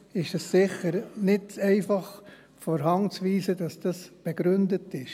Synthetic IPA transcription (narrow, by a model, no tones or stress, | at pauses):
ɪʃəssɪχəɾnɪtɛɪfɑχ | fɔːɾɦɑŋt͡sʋiːsədɑsd̥ɑsb̥eɡ̥ɾʉndətɪʃ